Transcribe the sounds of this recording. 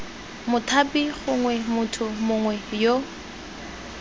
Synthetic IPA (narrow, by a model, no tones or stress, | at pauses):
mʊtʰapiχʊŋwɛmʊtʰʊmʊŋwɛjo